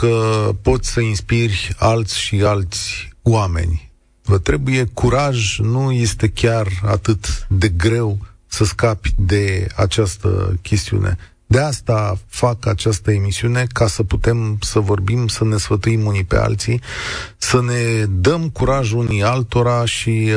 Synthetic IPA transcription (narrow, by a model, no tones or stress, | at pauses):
kəpo̞t̪ʲsəinspirʲalt̪sʲʃialt̪sʲwame̞̰nʲ | vət̪ɾe̞buje̞kuɾaʒnuje̞st̪e̞kʲarat̪ɨt̪d̪e̞ɡɾe̞w | səskapʲd̪e̞a̰t͡ʃast̪ə̰kʲe̞st̪iṵnʔe̞̰ | d̪east̪afakat͡ʃast̪əe̞misiune̞kasəput̪e̞msəvo̞rbimsəne̞sfət̪uimunipe̞̰a̰lt̪sisəne̞d̪əmkuɾaʒunialt̪o̞ɾaʃi